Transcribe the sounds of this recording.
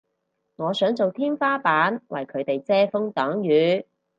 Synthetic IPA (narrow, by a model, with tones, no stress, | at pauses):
ŋɔː˨˧sœː˨˥ŋt͡so˨wt̪ʰiː˥nfaː˥paː˨˥nwʔɐ̰˨jkʰɵ˨˧ɥt̪e˨jt͡sɛː˥fʊ˥ŋt̪ɔː˨˥ŋjyː˨˧